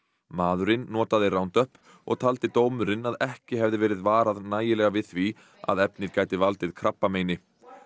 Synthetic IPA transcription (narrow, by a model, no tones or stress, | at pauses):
maːðʏɾɪnːɔːt̪aðɪrawnt̪œhp | ɔ̰ɣt̪ʰal̪t̪ɪt̪oːwmʏɾɪnaðɛhcɪɦɛvðɪvɛːɾɪðvaːɾaðnaːjɪlɛːɣavɪðθvi | a̰ðɛpnɪðkaːjt̪ɪvalt̪ɪðkʰɾapːameːjnɪ